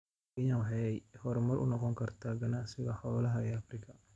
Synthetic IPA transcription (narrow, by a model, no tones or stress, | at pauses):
ɛjawħɑɛjhɔɾmɐrʔʊ̰nɔqɔŋkʰɐrt̪ʰaːɡɐnaːsɪɣɐħɔːlɐɦɐɛːɐfrɪkʰɐ